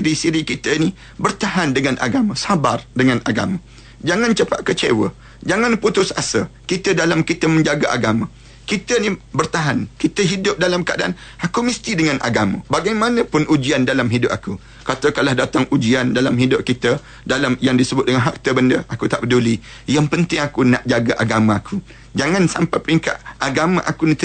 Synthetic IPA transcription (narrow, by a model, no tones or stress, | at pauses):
ɾisiɾikit̪əini | bərt̪aɦandəŋanʔa̰ɡamə̃sabardəŋãnʔaɡa̰mã | d͡ʒaŋãnt͡ʃəpa̰ʔ̚kət͡ʃewə̰ | d͡ʒaŋanput̪ʊsasəkit̪ədalamkit̪əmə̃ɲd͡ʒaɡaʔa̰ɡamə̃ | kit̪ənibərt̪aɦankit̪əɦidʊp̚dalamkəadaan | akumist̪idəŋanʔa̰ɡamã̰baɡajmanə̃pʊnud͡ʒiandalamɦidʊp̚aku | kat̪əkalahdat̪aŋʔud͡ʒiandalamɦidʊp̚kit̪ə | dalamjaŋdisəbʊt̪̚dəŋanɦak̚t̪əbəndəʔakut̪aʔpəduli | jaŋpənt̪ɪŋakunaʔd͡ʒaɡaʔaɡamãakʰu | d͡ʒaŋãnsampajpəɾiŋka̰ʔ̪̚ʔaɡamãʔa̰kunit̪